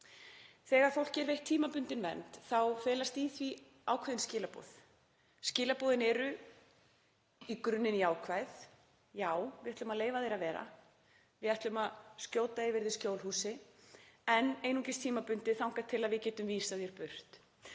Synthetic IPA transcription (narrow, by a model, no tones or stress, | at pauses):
θɛːɣaɾ̥fowl̥cɛɾvejht̪ʰːiːmapʏnt̪ɪnvɛ̰nt̪θawfɛːlast̪iːθvi | a̰ːwkʰvaðɪnscɪːlapo̰ːθ | scɪːlapɔːðɪnɛɾʏ | ikɾʏnːɪniaːwkʰvajθ | jaːwvɪɛht̪ʏmaðleːjvaθejɾavɛːɾa̰ | vɪðɛt̪lʏmaðscoːwt̪aɪvɪɾðɪscoːwlhuːsɪ | ɛneːjnucɪst̪ʰiːmapʏnt̪ɪθawŋ̥kḁt̪ʰːɪlaðvɪcɛːt̪ʏmviːsaðjɛɾ̥pʏr̥t̪